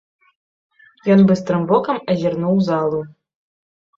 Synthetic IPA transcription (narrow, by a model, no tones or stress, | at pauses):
jɔnbɨs̬t̪ɾɨmbɔkɐmɐzʲirnuwzalˠu